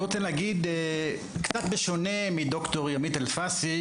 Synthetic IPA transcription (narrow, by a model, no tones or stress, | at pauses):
ʁot͡seleaɡid̪e | kt͡sat̪beʃone̞mid̪okt̪o̞ʁjamit̪elfasi